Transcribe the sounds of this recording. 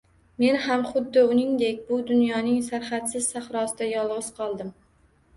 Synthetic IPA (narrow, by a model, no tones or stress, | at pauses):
me̞nhamχʊd̪ːɪʊnɪŋd̪ekʲbʊd̪ʊnjɒnɪŋsaɾχat̪sɪz̥saχɾɒsɪd̪ajɒlˠʁɨz̥qʰɒlˠd̪ɪm